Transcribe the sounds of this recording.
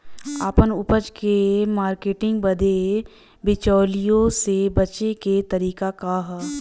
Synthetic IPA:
apənʊpəd͡ʒkemaːɾkeːʈɪ̃ŋɡbɐd̪e | bɪt͡ʃɔːlijõsebɐt͡ʃeket̪ɐɾiːkakaɦ

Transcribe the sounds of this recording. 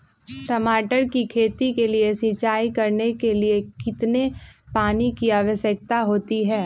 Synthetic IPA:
ʈɐmaːʈəɾkikʰeːt̪ikeliesɪt͡ʃaːikɐɾnekeliekɪt̪nepaːnikiaːʋəʃjək̚t̪aɦoːt̪iɦɛː

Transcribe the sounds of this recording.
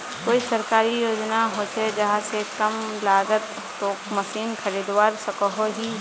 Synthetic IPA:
koːisɐɾkaːɾijoːd͡ʒnaɦot͡ʃʰed͡ʒɐɦãsekɐmlaːɡət̪ | t̪oːkmɐsiːnkʰɐɾiːd̪waːɾsɐkɔɦoɦi

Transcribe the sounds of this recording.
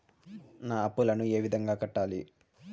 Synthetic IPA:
naːɐpːulɐnue̞ːʋid̪ʱɐŋɡaːkɐʈːaːli

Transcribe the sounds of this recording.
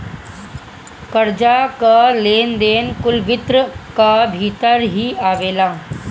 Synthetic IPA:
kəɾd͡ʒaːkaleːnd̪eːnkʊlʋɪt̪ɾəkabʱiːt̪əɾɦiːaːʋeːlaː

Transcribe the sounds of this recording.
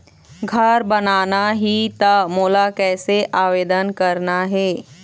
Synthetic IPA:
ɡʱɐɾbɐnaːnaɦit̪ɐmoːlakɛːseʔaːʋeːd̪ənkɐɾnaɦɛː

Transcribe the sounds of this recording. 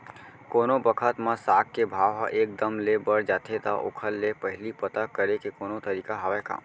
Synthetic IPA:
konobəkʰət̪mãsakkːebʱaʋɦa̰ʔek̚d̪əmlebəɽd͡ʒat̪ʰet̪a̰ʔo̰kʰəlːepəɦɪlipət̪akəɾekekonot̪əɾikaɦaʋeka̰

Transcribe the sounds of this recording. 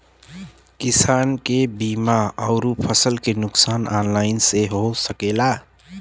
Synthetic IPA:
kisankebimaəʊɾupʰəsəlkenʊksaːnanlaɪnseɦosəkela

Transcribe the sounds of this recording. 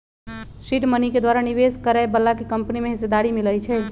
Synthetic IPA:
siɖməniked̪waɾaniʋeskəɾaebəlːakekəmpnimeɦised̪aɾimiləjt͡ʃʰɛ

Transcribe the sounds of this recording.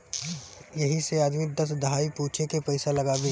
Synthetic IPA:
jɐɦiseaːd̪mid̪ɐsd̪ɐɦaːipuːt͡ʃʰekepɐɪsalɐɡaːbe

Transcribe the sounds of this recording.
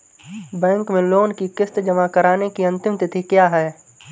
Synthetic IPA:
bɛ̃ːŋkmẽloːnkikɪst̪d͡ʒɐmakəɾaːnekiɐ̃nt̪ɪmt̪ɪt̪ʰikjaːɦɛː

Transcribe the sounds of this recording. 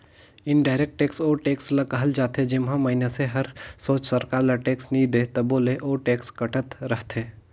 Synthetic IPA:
ɪnɖaːɪɾeːk̚ʈʈeːksoːɾʈeːkslɐkəɦəld͡ʒaːt̪ed͡ʒɪmɦãmɐɦineseɦɐɾsoːt͡ʃsəɾkaːɾlɐʈeːksnid̪et̪ɐboːleʔoːɾʈeːkskɐʈət̪ɾəɦt̪ʰeː

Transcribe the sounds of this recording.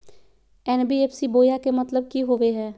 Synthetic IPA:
ɛːnbiepsiboːjakemɐt̪ləb̚kiɦoʋeɦɛː

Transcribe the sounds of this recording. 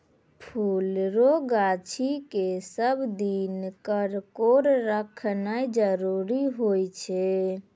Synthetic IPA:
pʰulɾoɡat͡ʃʰikesəbd̪inkəɾkoɾɾəkʰnajd͡ʒəɾuɾiɦojt͡ʃʰɛ

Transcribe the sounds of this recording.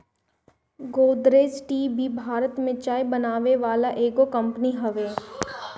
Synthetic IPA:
ɡoːd̪ɾeːsʈiːbʱibʱaːɾət̪mẽt͡ʃaːjbɐnaːʋeʋaːlaʔeːɡokɐ̃mpəniɦɐʋeː

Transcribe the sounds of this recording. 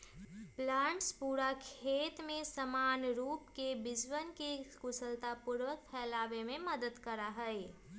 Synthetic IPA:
plãːɳʈspuːɾakʰeːt̪mẽsəmaːnɾuːpkebɪd͡ʒwənkekʊsəlt̪apʊɾwək̚pʰɛːlaːʋemẽmɐd̪əd̪kəɾaɦɛe

